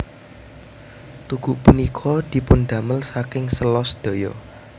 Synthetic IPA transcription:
t̪uɡ̥uʔpunikʰɔd̪̥i̤pʊnd̪̥ä̤məlsakɪŋsəlɔsd̪̥o̤jɔ

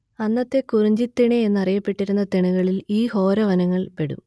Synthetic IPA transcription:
ɐnːɐt̪ːe̞kurɐɲd͡ʑit̪ːiɳeenːɐrijɐpːe̞ʈːiɾunːɐt̪iɳuɣɐɭiliːho̞ːɾɐʋɐnɐŋːɐɭpe̞ɽṵm

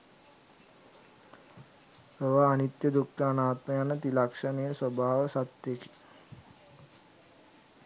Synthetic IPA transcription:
oʋaːnit̪jəd̪ukʈ̪aanaːt̪məjanət̪ilakʂənejəswobʱaːʋəsat̪jeki̥

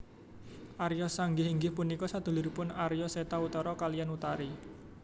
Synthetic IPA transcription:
ʔaɾjɔsaŋɡɪɦiŋɡɪhpunikɔsad̪̥ṳluɾipʊnaɾijɔset̪aut̪ɔɾɔkalijanut̪aɾi

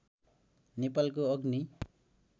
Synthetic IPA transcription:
nepalk̬oʌɡni

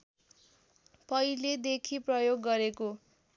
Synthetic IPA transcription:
pʌiled̪ekʰiprʌjoɡːʌɾeko

